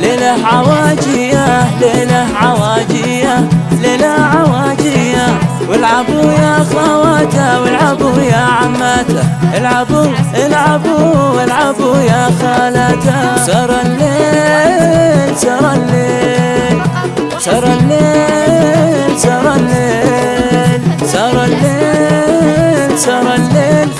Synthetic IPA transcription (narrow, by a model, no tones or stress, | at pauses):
lelaʕawad͡ʒɪjalelaʕawaːd͡ʒɪjalelaʕawaːd͡ʒɪja | wɪlʕabujaxawat̪awɪlʕabujaʕamːat̪aʔɪlʕabuʔɪlʕabuwɪlʕabujaxaːlat̪asɑːɾˤɑlːeː | lsɑɾˤɑlːeːl | sɑɾˤɑlːeː | lsɑɾˤɑlːeː | lsɑːɾˤɑlːeː | lsɑːɾˤɑlːeːl